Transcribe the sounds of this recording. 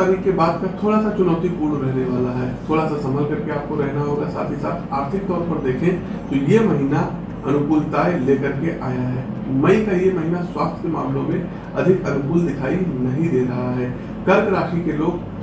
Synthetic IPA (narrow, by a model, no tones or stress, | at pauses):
aɾikːebaːd̪kat̪ʰoːɽasat͡ʃʊnaːt̪ipuːɾɳɾɛɦneʋaːlaɦɛːt̪ʰoːɽasasɐməlkɐɾkeaːp̚koɾɛɦnaɦoːɡasa̰ːt̪ʰisaːt̪ʰaːɾt̪ʰɪk̚t̪ɔːɾpɐɾd̪eːkʰẽ | t̪ojemɐɦiːna | ɐnʊkuːlt̪aːjleːkɐɾkeʔaːjaɦɛːmɛ̃ĩkajemɐɦiːnaswaːst̪ʰkemaːmlõmẽ | ɐ̰d̪ʱɪkɐnʊkuːld̪ɪkʰaːinɐɦĩd̪eːɾɐɦaɦɛː | kɐɾɡɾaːʃikeloːɡ